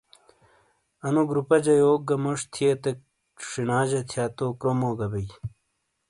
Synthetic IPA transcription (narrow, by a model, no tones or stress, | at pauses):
ɐnuɡɾupɐd͡ʑɐjoːk̚ɡɐmoʂt̪ʰijet̪e | ʂinaːʑɐt̪ʰjaːt̪okɾomoːɡɐbej